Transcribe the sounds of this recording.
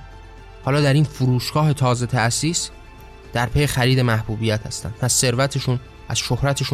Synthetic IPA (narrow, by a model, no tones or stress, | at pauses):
hɒːlɒːd̪æɾiːnfuɾuːʃɡɒːɦe̞t̪ʰɒːze̞t̪ʰæsiːs | d̪̥æɾpʰejexæɾiːd̪e̞mæhbuːbijæt̪ʰhæ̰st̪æ̰nd̪mʰæz̥se̞ɾvæt̪ʰe̞ʃun | ʔæz̥ʃohɾæt̪ʰe̞ʃu